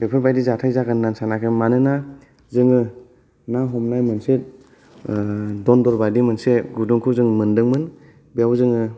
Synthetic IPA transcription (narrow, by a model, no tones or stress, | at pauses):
bepʰɯɾbajdizatʰajzaɡanːansanakʰemanɯna | zɯŋɯ | naɦɔmnajmɯnse | dɔndɔɾbadimɯnseɡudɔŋkʰuwzɯŋmɯndɯŋmɯn | biawzɯŋɯ